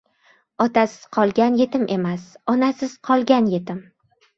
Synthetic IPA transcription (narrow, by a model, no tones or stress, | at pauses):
ɒt̪ʰasɪz̥qʰɒlˠɡʲanje̞t̪ɪmʔe̞masɒnasɪz̥qʰɒlˠɡʲanje̞t̪ɪm